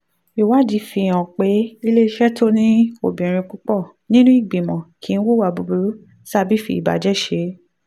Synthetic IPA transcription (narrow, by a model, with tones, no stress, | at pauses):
i˨wa˦˨d͡ʒi˨˦fi˧˨j̃ã˨k͡pe˨˦i˦le˦i˧ʃɛ˦to˦nĩ˦o̰˨bĩ˨ɾ̃ĩ˧k͡pu˦k͡pɔ˦˨ | nĩ˦nũ˦i˦˨ɡ͡bĩ˨mɔ̃˨kʰi˨˦n̩˦wo˦˨wa˧˨bu˧bu˧ɾu˦ | sa˦bi˦fḭ˦˧i˨ba̰˨d͡ʒɛ˦˨ʃe˨˦